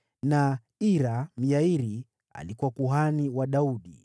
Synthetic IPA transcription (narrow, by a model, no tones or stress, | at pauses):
na | iɾam̩jaiɾi | a̰likuwakuɦaniwaɗauɗḭ